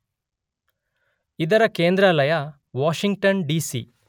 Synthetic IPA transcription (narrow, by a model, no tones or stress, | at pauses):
id̪ɐɾɐkeːnd̪ɾalɐjɐ | ʋaːʃiŋɡ̚ʈɐnɖiːsḭ